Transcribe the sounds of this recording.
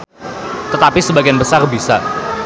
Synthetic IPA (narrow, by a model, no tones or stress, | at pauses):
t̪ət̪apisəbaɡianbəsarbisa̰